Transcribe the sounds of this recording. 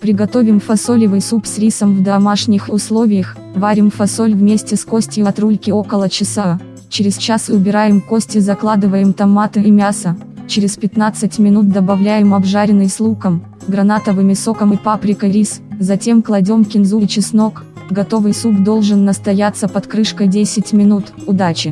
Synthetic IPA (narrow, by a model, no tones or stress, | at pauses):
pɾʲɪɡɐt̪o̞vʲɪmfɐsolʲɪvɨjsupsʲɾʲisəmvd̪ɐmaʂnʲɪxʊslˠo̞vʲɪjəx | vaɾʲɪmfɐso̞lʲvmʲesʲtʲɪsko̞sʲtʲjɪɐt̪ɾulʲkʲɪo̞kəlˠət͡ɕɪsa | t͡ɕɪɾʲɪst͡ɕasʊbʲɪɾajɪmkosʲtʲɪzɐklˠad̪ɨvəjɪmt̪ɐmːat̪ɨɪmʲasə | t͡ɕɪɾʲɪspʲɪt̪nat̪sɨtʲmʲɪnut̪̚d̪əbɐvlʲæjɪmɐbʐaɾʲɪnɨjslˠukəm | ɡɾɐnat̪əvɨmʲɪso̞kəmɨjpapɾʲɪkəjɾʲiszɐtʲe̞mklˠɐdʲo̞mkʲɪnzujt͡ɕɪsno̞k | ɡɐt̪o̞vɨjsukd̪o̞lˠʐɨnːəst̪ɐjat̪səpɐt̪kɾɨʂkəjdʲesʲɪtʲmʲɪnut̪ʊd̪at͡ɕɪ